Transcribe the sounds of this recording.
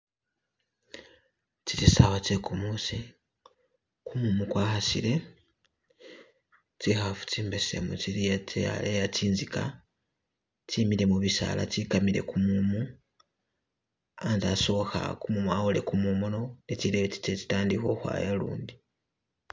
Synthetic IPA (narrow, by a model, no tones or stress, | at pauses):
t͡sitisawat͡sekumusi | kumumukwaːxasḭle̞ | t͡sixafu̥t͡siːmbesḛmut͡siɾijatea̰lejatiːnzika̰ | timiɾe̞muβisa̰la̰tikamiɾe̞̰kumumu | anzaso̞xa̰kumumuawole̞kumumononet͡ʃileβet͡si̥t͡ʃet͡si̥taːndiko̞xwa̰jelṵːndi